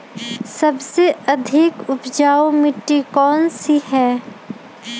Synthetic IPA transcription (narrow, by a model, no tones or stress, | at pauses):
sɐbseɐd̪ʱɪkʊpd͡ʒaːomɪʈːikɔːnsiɦɛː